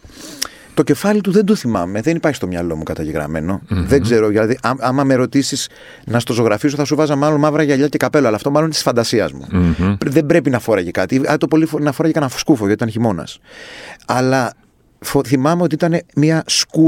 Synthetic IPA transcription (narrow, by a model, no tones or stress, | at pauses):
t̪o̞ce̞fɐlit̪uðe̞nd̪oθimɐ̰me̞ðe̞nipɐɾçist̪o̞mɲɐlo̞mukɐt̪ɐʝeɣɾɐ̰me̞̰no̞ðeɡze̞ɾoðilɐðiʔɐɐmɐmeɾo̞t̪isiz̥ | nɐst̪o̞so̞ɣɾɐfiso̞θɐsuvɐzɐmɐlo̞nmɐvɾɐʝɐʎɐce̞kɐpe̞loɐlɐːft̪o̞mɐlonit̪i̥sfɐnd̪ɐsiɐ̰zmṵpðe̞bɾe̞pinɐfoɾɐʝekɐt̪iɐt̪opolifonɐfo̞ɾɐʝekɐnɐfskufoɐt̪it̪ɐnçimo̞nɐ̰s | ɐlɐ | foθimɐme̞o̞t̪iit̪ɐne̞miɐsku